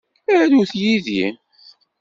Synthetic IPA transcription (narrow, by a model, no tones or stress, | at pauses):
æɾðuθjiðḭn